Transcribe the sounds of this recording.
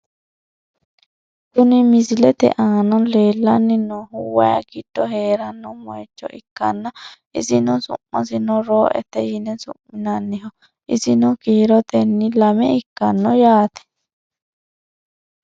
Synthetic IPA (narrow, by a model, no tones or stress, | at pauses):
kʊnɪmɪsɪlɛt̪ɛ̰ʔaːnɔle̞ːlːɐnːɪnːɔhʊwɐjɐ̰ɡɪd̪̥ːɔheːɾɐnːɔmɔ̰jɛt͡ʃːɔ̰ʔɪkːɐnːɐʔɪsɪnɔsʊ̰mːɐ̰s̬ɪnɔɾoːʔɛ̰t̪ːɛjɪnɛsʊ̰mmɪnɐnːɪɦɔ | ʔɪsɪnɔkiːɾɔt̪ɛnːɪlɐmɛɪkːɐnːɔjaːt̪ɛ̥